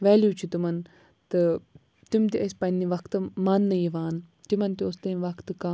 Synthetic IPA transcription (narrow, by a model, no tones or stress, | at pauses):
ʋɛːljuːt͡ʃʰit̪umɐn | t̪ɨ | t̪imt̪iʔɐspɐnʲːiʋɐkt̪ɨmɐnːɐjiʋaːn | t̪imɐnt̪iost̪ɐʋɐkt̪ɨka